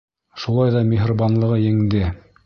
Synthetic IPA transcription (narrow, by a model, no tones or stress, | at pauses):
ʃulˠɑjðɑmʲeɦrobɑnlˠɤ̆ʁɤjɘ̆ŋd̪ɘ